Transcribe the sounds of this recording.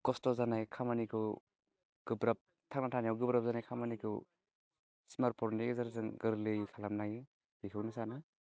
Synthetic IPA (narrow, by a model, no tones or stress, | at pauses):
kɔstɔzanajkʰamanikʰɯw | ɡ̥ɯbɾap̚ | tʰak̚natʰanijawɡɯbɾap̚zanajkʰamanikʰɯw | simaɾpʰɔɾnikezaɾzɯŋɡɯɾlɯjkʰalamnajɯ | bikʰɯwnɯsanɯ